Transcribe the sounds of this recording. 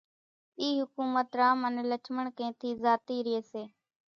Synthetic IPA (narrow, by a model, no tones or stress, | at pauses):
iːɦʊkuːmət̪ɾaːmənːlət͡ʃʰməɳkẽːt̪ʰiːzaːt̪iːɾɪeːseː